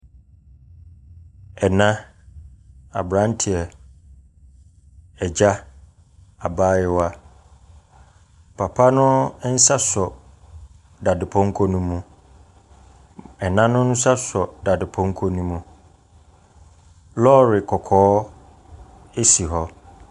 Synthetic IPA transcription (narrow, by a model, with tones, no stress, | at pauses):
ɛ˨nã˦ | a̰˨bɾã˦n˦tʰɪ˨ɛ˨ | ɛ˨d͡ʑa˦ | a˨baː˦jɪ˦wa˦ | pʰa˨pʰa˦nʊ̃˦n̩˦sa˦sɔ˨ | da˨dɪ˨pʰɔ̃˦ŋ˦kʰɔ˦nũ˦mːũ˦ | ɛ˨nã˦nʊ̃˦n̩˦sa˦sɔ˨da˨dɪ˨pʰɔ̃˦ŋ˦kʰɔ˦nũ˦mũ˦ | lɔ˦ɾɪ˨kʰɔ˨kʰɔː˨˦ | e˦si˨ɦɔ˦